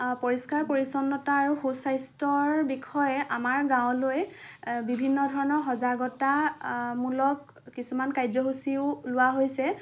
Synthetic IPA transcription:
poɹiskaɹpoɹisɔnːɔtaːɹuxusajstɔɹbikʰɔjɛʔamaɹɡãʊ̃loj | bibʱinːɔdʱɔɹɔnɔɹɦɔzaɡɔtamulɔk̚ː | isumankajzɔɦusiʊlʊwaɦojsɛ

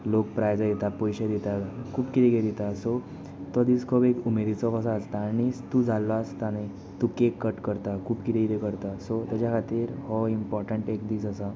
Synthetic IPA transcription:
lokpɾajd͡zajet̪apɔjɕed̪it̪akʰuːpkit̪eɡed̪it̪aso | t̪ɔd̪iskʰɔbekumed̪it͡sɔkəsaːst̪añist̪ud͡zʱalːast̪ane | t̪ukekːəʈkəɾt̪akʰuːpkit̪eɡt̪ekəɾt̪asɔt̪ad͡ʑakʰat̪iːɾhɔimpɔɾʈəɳʈekd̪iːsəsa

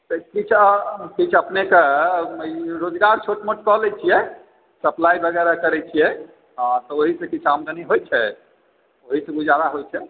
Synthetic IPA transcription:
t̪kit͡ʃʰakit͡ʃʰəpneke | ɾod͡ʒɡaɾt͡ʃʰoʈmoʈkɔɦlɛt͡ʃʰijɛ | səplaibʱəɡɛɾakəɾɛt͡ʃʰijɛ | at̪ɔoɦisẽkit͡ʃʰamd̪əniɦojt͡ʃʰɛ | oɦisẽbud͡ʒʱaɾaɦojt͡ʃʰɛ

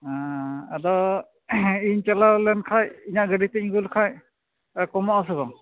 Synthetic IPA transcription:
aa̰d̪ɔ | iɲt͡ʃalalɛnkʰajiɲaʔɡədit̪ɛiŋɡulkʰaj | kɔmɔʔas̬ɯbɔ

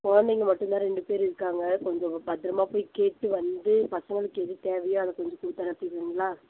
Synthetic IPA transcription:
kɔɻɐnd̪ɐɪŋɡɐmɐʈːɯnt̪ãːɾɛɳɖɯpeːɾɪɾɯkːaːŋɡɐkɔɲd͡ʒõbɐt̪ːɪɾɐmaːpoːjkeːʈːɯʋɐnd̪ɯpɐsɐŋɡɐɭɯkːɯɛðit̪eːʋɐjʊ̃ɐðɐkɔɲd͡ʒɔ̃kʊɽɯt̪ːɐnɐt̪ːɪɾɯŋɡɐlãː

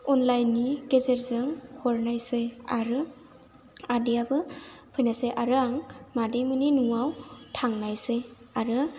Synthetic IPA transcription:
ɔnlajnːiɡ̥ezeɾzɯŋkʰɔɾnajseaɾɯ | adijabɯpʰɯjnaseʔaɾɯaŋmadejmɯninuŋawtʰaŋnajse | aɾɯ

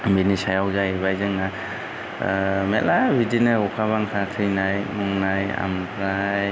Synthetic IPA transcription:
menisajawzajbajzɯŋna | melabidinɯɔkʰaβaŋkʰatʰɯjnajmɔŋnaja̰mkʰɾaj

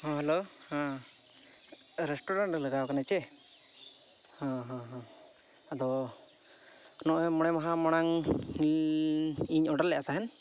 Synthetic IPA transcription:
ɦɔ̃ɦɛlo | hã | ɾɛsʈɔɾaɳʈləɡakanat͡ʃɛ | hɔ̃ɦɔ̃ɦɔ̃ | ad̪ɔ | nɔʔɛmɔɽ̃ɛmaɦamaɽ̃aŋ | iɲɔɖalːɛʔat̪aɦɛn

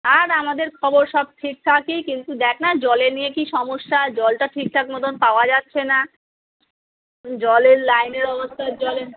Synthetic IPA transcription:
aɾamad̪eɾkʰɔboɾʃɔb̚ʈʰik̚t̪ʰakikint̪ud̪ɛkʰnad͡ʑɔlenijekiʃɔmoʃːad͡ʑɔlʈaʈʰik̚t̪ʰakmɔt̪ʰonpaoad͡ʑatːɕʰena | d͡ʑɔleɾlajneɾɔbost̪ʰad͡ʑɔle

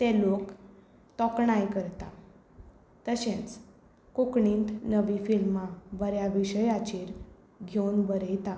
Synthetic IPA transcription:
t̪elok | t̪ɔkɳajkəɾt̪a | t̪əɕẽt͡s | kokɳiːnt̪nəʋifilmabəɾjaʋiɕəjat͡ɕiːɾ | ɡʱeunbəɾəjt̪a

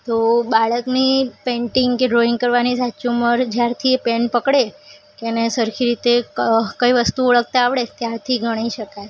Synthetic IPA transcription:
t̪obaɭəknipeɳʈiŋɡkeɖɾoĩŋɡ̚kəɾʋanisat͡ʃũməɾd͡ʒjaɾt̪ʰiepenpəkɽekenesəɾkʰiɾit̪ekəiʋəst̪uoɭək̚t̪aːʋɽet̪jaɾt̪ʰiɡʱəɽ̃iʃəkaj

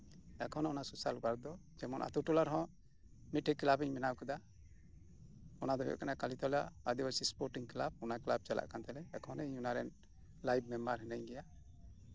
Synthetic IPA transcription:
akʰɔ̃nɔnasusaluɡaɾd̪ɔd͡ʒɛmɔnʔa̰t̪uʈulaɾɦɔ̃ | miʈʰɛkːlabɛɲmɛnawkɛd̪a | ɔnad̪ɔɦɛɔ̰ʔkanakalit̪ɔlaad̪iwasispɔɾʈiŋklab̚ɔnaklab̚t͡ʃala̰ʔkant̪ɛlɛakʰɔ̃nɛɲunaɾɛn | lajb̚mɛmbaɾɦɛnɛɲɡɛja

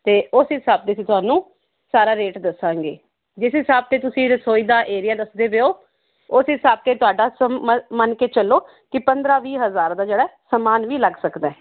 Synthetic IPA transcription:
t̪eːʊsɦɪsaːb̚t̪eːsĩt̪ʊɦaːnũː | saːɾaːɾeːʈd̪əsãːŋɡḛː | d͡ʒɪsɦɪsaːb̚t̪eːt̪ʊsĩːɾəsoːiːd̪aːʔeːɾɪjaːd̪əsd̪eːʋeːoː | ʊsɦɪsaːb̚t̪eːt̪ʊaːɖaːsəmənkeːt͡ʃəlːoː | kɪpənd̪ɾaːʋiːɦəzaːɾd̪aːd͡ʒeːɽaɛːsəmaːnʋiːləɡsəkd̪ɛː

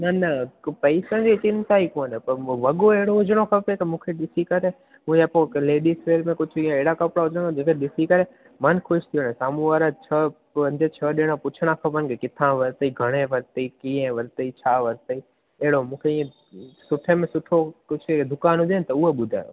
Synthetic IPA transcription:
nɐnɐpɐɪsə̃d͡ʑet͡ɕɪnt̪aːikoːnɦẽpɐɾʋɐɠoeɦɽoɦʊd͡ʑəɽ̃okʰɐpekemũːkʰeɗɪsikɐɾe | mũːd͡ʑəpõleːɗisʋeːlmẽkʊd͡ʑʱʰiẽeɦɪɽakɐpɽaɦʊd͡ʒə̃ɽ̃ad͡ʑeːkʰeɗɪsikɐɾe | mənxoʃt̪ʰijonesaːmũʋaːɾət͡ɕʰɐ | ɐ̃nd͡ʑ̪et͡ɕʰəɗɪɽ̃opʊt͡ɕʰɽ̃ãkʰɐpənkekɪt̪ʰãʋɐɾt̪əiɡʱɐɽ̃ẽʋɐɾt̪əikĩːẽʋɐɾt̪əit͡ɕʰaːʋɐɾt̪əi | eɦɽomũːkʰeiːẽ | sʊʈʰemẽsʊʈʰokʊd͡ʑʰed̪ʱʊkaːnɦʊ̃d̪enɪ̆t̪ɐʊɦeɓʊd̪ʱa̰ːjo̰

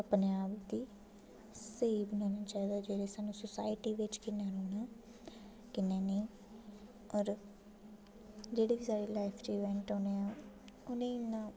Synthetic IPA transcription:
əpneaːbkd̪iː | seːibənõːnãːt͡ʃaːiːd̪aːd͡ʒeːɾeːsaːnũːsʊsa̰ːɪʈiːʋɪt͡ʃkɪnːãːɾoːnaː | kɪnːeːniː | ɔːɾ | d͡ʒeːɽeːbiːsaːɽeːlaːɪpʰɾiːʋɛ̃ːɳʈoːneːãː | ʊnẽːnãː

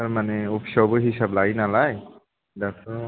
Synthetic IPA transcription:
amanɛopʰsɔbɔɦisablaɡinalaj | dasɔ

